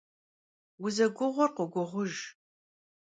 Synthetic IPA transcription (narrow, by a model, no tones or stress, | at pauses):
wʊzɐɡʷʊʁʷʊrqʷʊɡʷʊʁʷʊʒ